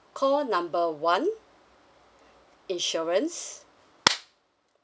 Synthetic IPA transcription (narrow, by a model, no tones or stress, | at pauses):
kʰɔnãmbəwãn | ĩnʃɔɹə̃ns